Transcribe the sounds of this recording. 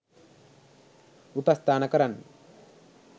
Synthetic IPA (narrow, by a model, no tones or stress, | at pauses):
upɐst̪ʰaːnɐkɐɾɐn